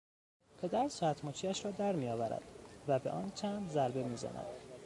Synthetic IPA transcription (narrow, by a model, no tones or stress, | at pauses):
pʰe̞d̪æɾsɒæt̪ʰmɒːt͡ʃʰiːæʃɾɒːd̪æɾmijɒːvæɾæ̰d̪̥væbe̞̰ʔɒːnt͡ʃʰænd̪zæɾbe̞miːzæ̰nʔæ̰d̪̥